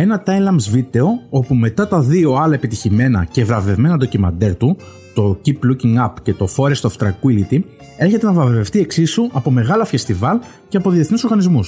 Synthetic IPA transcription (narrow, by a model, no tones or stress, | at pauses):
e̞nɐt̪ɐjlɐmzvit̪e̞o̞o̞pume̞t̪ɐt̪ɐðio̞ɐlɐepit̪içime̞nɐ̰ce̞vɾɐve̞vme̞nɐd̪ocimɐ̰nd̪eɾt̪u | t̪o̞cipluciŋɡɐpce̞t̪o̞fo̞ɾest̪oft̪ɾɐkuilit̪i | e̞ɾçe̞t̪enɐvɾɐvveft̪ie̞ksisuʔɐpo̞me̞ɣɐlɐfest̪ivɐl | ceɐpo̞ðie̞θniso̞ɾɣɐnizmus